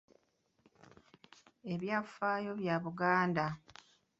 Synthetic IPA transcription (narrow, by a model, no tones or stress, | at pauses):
e̞βjafaːjo̞βjaːβuɡaːnda